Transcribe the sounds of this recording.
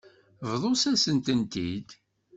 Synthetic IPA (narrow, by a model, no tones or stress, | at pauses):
vðˤosæsənt̪ənt̪id̪